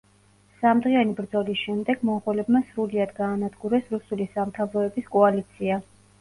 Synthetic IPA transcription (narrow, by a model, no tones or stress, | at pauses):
samd̪ʁianibɾd̪zɔlisʃɛmd̪ɛɡ̥mɔʁɛlɛbmasɾuliad̪ɡaːnad̪ɡuɾɛsɾusulisamt̪ʰavɾɔɛbiskʼɔalit̪sʰia